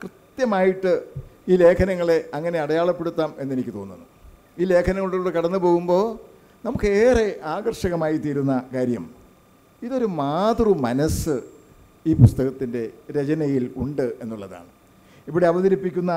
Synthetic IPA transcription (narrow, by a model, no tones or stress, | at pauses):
krɨt̪jɐmaːjiʈːɨiːle̞ːkʰɐnɐŋːɐɭe̞ɐŋːɐne̞ɐɽɐjaːɭɐpːe̞ɽut̪ːaːme̞nːenikʲːɨt̪o̞ːnːunːu | iːle̞ːkʰɐnɐŋːɐɭuɽeuːɽekɐɽɐnːɨpo̞ːɣumbo̞ː | nɐmukːeːre̞ʔaːɣɐrʂɐɣɐmaːjit̪iːɾunːɐkaːɾjɐ̰m | iðo̞ɾumaːd̪rumɐnɐsɨ | iːpust̪ɐɣɐt̪ːinde̞ɾet͡ɕɐnɐjiluɳɖɨe̞nːuɭːɐða̰ːɳɨ | ipːoɽeɐʋɐðɐɾipːikʲːunːɐ